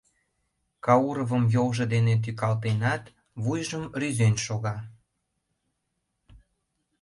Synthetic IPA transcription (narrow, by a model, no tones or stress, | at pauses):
kɑuɾovəmjowʒə̆d̪enet̪̬ykɑlt̪enɑt̪ | βujʒəmryzenʃoɣɑ